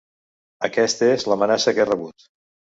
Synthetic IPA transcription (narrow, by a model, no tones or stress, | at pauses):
əkɛst̪ezləmənasəkerəβut̪